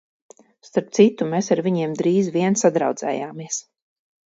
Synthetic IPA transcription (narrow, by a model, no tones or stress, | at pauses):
st̪aɾp̚t̪sit̪umeːsaɾviɲiɛmd̪ɾiːzviɛnsad̪ɾa̰wd̪z̥ɛ̰ːjaːmiɛs